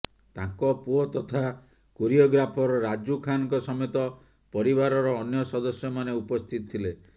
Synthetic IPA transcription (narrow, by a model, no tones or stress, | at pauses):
t̪ãŋkɔpuɔt̪ɔt̪ʰa | kuɾiɔɡɾapʰɔɾɔɾad͡ʒukʰanɔkɔsɔmet̪ɔ | pɔɾibaɾɔɾɔːnjɔsɔd̪ɔsjɔmaneupɔst̪ʰit̪ɔt̪ʰile